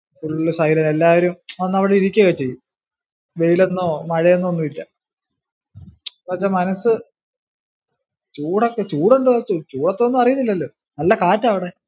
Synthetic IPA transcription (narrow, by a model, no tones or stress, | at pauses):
tuluɭːɐsɐjlɐnelːaːʋɐɾumɐnːɐʋiɽeiɾikʲːɐɣɐt͡ɕe̞jːum | ʋe̞jile̞nːoːmɐɻɐjenːuɐnːuʋilːɐ | pɐt͡ɕːamɐnɐsɨ | t͡ɕuːɽokːet͡ɕuːɽeɳɖout͡ɕuːɽɐt̪ːeonːɨɐrijɐnːilːɐlːoː | nɐlːɐkaːtːɐːʋiɽe̞